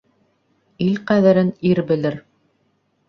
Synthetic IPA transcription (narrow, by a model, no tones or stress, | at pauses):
ilqæðɘ̆ɾɘniɾbɘ̆lɘɾ